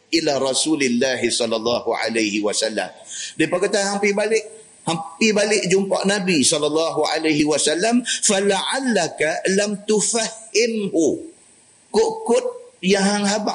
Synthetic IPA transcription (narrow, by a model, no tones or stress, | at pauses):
ʔilaɾɑsulɪlːaɦisɔlːalˤːɑhuʕa̰lajhiwasalːa̰mdipakat̪ahampibalɪʔ | hampibalɪʔd͡ʒumpa̰ʔnabisɔlalːɑɦuʕa̰lajɦiwasalːamfalaʕalːakalamt̪ufahɪmbu | koʔkʊt̪̚jaŋɦaŋɦaba